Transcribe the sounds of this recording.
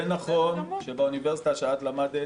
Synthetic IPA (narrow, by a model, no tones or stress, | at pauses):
enaχo̞nʃebauniveʁsi̥t̪aʃaat̪lamad̪e